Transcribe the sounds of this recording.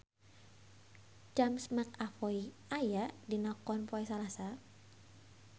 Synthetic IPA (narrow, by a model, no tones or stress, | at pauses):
d͡ʒamsmakafɔi | ajadinɔkɔnpɔɛsalasa